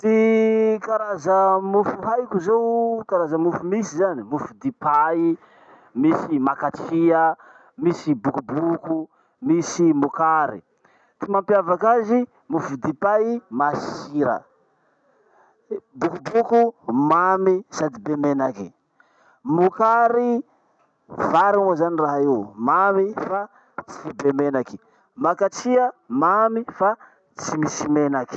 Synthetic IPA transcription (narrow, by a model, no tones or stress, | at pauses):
t̪ikaɾazamufuɦajkuzowkaɾazamufumisizanimufud̪ipai | misimakat͡siə | misibukubuku | misimukaɾḭ | t̪imampjavakazi | mufud̪ipaimasiɾə̰ | bukubukumamisad̪ibemenaki | mukaɾi | vaɾinozaniraɦaiwmamifa | t͡si̥fibemenaki̥ | makat͡siəmamifa | t͡simisimenaki̥